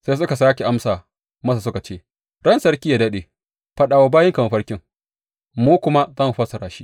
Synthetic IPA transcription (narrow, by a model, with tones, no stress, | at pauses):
sa˦s̬ʊ˦ka˨saː˦kʲe˨ʔa˦msaː˨ | mɐ˦sa˨s̬ʊ˦ka˨t͡ʃeː˦ | ɽɐ˦nsɐ˦ɽkʲiː˦ja˨dɐ˦ɗeː˨ | ɸɐ˦ɗaː˨wa˦baː˦jɪ˦ŋka˨ma˨ɸɐ˦ɽkʲɪ˦ŋ | muː˦kʷʊ˦ma˦zɐ˦˨mu˨ɸɐ˦sɐ˨ɾaː˨ʃi˦ʔ